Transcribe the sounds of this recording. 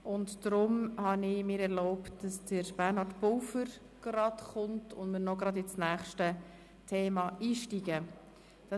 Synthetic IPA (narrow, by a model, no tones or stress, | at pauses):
ʊntd̥ɾʊmhɑnɪmɪːɾɛɾlɔʊptd̥ɑsd̥əɾb̥ɛɾnhɑɾtpʊwfəɾ | ɡ̥rɑtχʊntʰʊndmɪːɾnɔɡɾɑdɪt͡snæːχʃtə | tʰeːmɑiːʃtiɡ̥ə | d̥ɑ